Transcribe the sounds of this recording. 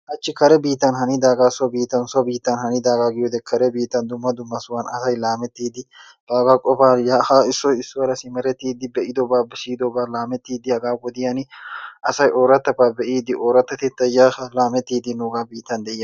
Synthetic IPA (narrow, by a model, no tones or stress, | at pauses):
ʔɐt͡ʃːɪkɐɾɛbiːt̪ːɐnhɐnɪd̪aːɡasɔbiːt̪ːɐnsɔbiːt̪ːɐnhɐnɪd̪aːɡaɡɪjod̪ɛkʰɐɾɛbiːt̪ːɐnd̪ʊmːɐd̪ʊmːɐsʊwɐnɐsɐjlaːmɛt̪ːiːd̪ɪ | b̥aːɡakʼɔfaːjaːhaɪsːɔɪsːɔɐɾɐsɪmɛɾɛt̪ːiːd̪ɪbɛʔɪd̪ɔbaːbɪsiːd̪ɔbaːlaːmɛt̪ːiːd̪ɪhɐɡaːwɔd̪ɪjɐnɪʔɐsɐjʔoːɾɐt̪ːɐbaːbɛʔiːd̪ɪʔoːɾɐt̪ːɐt̪ɛt̪ːɐjaːɐlaːmɛt̪ːiːd̪ɪnʊːɡabiːt̪ːɐnd̪ɛjɐ